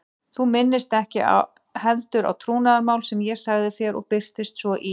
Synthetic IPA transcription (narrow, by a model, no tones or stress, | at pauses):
θumɪnːɪst̪ɛhcɪ̰ʔa̰ | hɛlt̪ʏɾʔa̰wt̪ʰɾuːnaðaɾmaːwlsɛmjɛɾ̥saɣðɪθjɛɾɔ̰ɣpɪr̥t̪ɪst̪svɔʔi